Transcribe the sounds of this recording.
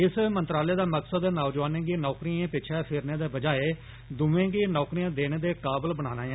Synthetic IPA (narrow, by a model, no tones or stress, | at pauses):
ɪsmənt̪ɾaːleːd̪aːməksəd̪naːd͡ʒʋaːnẽːɡiːnɔːkɾiːãːpɪt͡ʃʰɛːpʰɪɾneːd̪eːbəd͡ʒaːeː | d̪ʊʋẽːɡiːnɔːkɾiːãːd̪eːɽ̃eːd̪eːkaːbəlbəɽ̃aːnaːj̃ː